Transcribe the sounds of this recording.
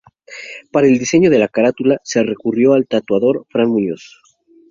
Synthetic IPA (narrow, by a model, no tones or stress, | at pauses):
paɾae̞ld̪ise̞ɲo̞ðe̞lakaɾat̪ulase̞re̞kurjo̞alt̪at̪waðo̞ɾfɾanmuɲo̰s